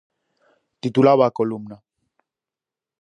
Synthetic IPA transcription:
t̪it̪ulaβakolumna

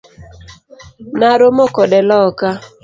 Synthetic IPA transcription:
naɾomokɔdɛlɔka

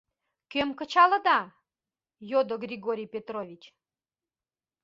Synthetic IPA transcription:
kømkə̆t͡ɕɑlə̆d̪ɑ | jod̪oɡrʲiɣoɾʲijpʲet̪ɾovʲit͡ɕ

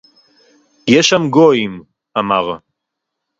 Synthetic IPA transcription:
jɛʃamɡoim | amaʁ

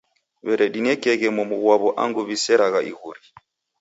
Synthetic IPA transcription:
βɛɾɛdinɛkɛɣɛmumuɣwaβɔʔa̰ŋɡuβisɛɾaɣaʔḭɣuɾi

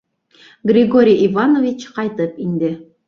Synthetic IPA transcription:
ɡrʲɪɡoɾʲijivanovʲit͡ɕqɑjt̪ɤpind̪ɘ

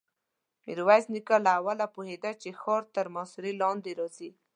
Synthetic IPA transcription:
miɾwaznikalaːwalapohed̪at͡ʃexɔɾt̪əɾmasuɾilɑnd̪eɾɔzi

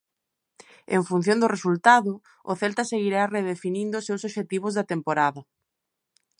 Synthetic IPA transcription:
eɱfun̟θjond̪ʊresult̪aðʊ | ʊθɛlt̪ɐseɣiɾareð̞efinĩnd̪ʊsewsoʃet̪iβ̞ʊzðɐt̪empoɾaðɐ

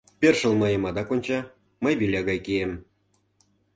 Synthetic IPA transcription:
perʃə̆lˠmɤjə̆mɑd̪ɑkonʲt͡ɕɑ | məjβilʲɑɣɑjkiem

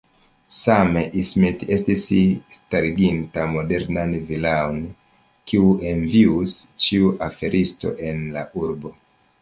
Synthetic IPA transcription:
sameʔismete̞stisistaɾiɡintamo̞de̞ɾnanvilaon | kiuʔe̞nviust͡ʃiuʔafe̞ɾʔisto̞̰ʔe̞nlaʔuɾbo̞

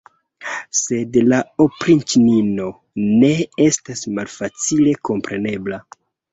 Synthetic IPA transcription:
se̞dlaopɾintnino̞ | ne̞e̞stasmalfat͡sile̞ko̞mpɾe̞ne̞bla

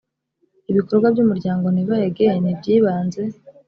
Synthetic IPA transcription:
iβiko̞ɾɡwabjumuɾɟaːŋɡo̞niβajeɡenibɟiːβaːnze̞

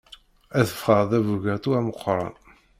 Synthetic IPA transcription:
æθə̥fχəɾˤðævuʝæɾt̪uæməqːɾˤɑ̰n

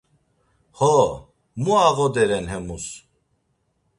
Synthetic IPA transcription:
hɔ | muaɣɔd̪ɛɾɛnɦɛmus

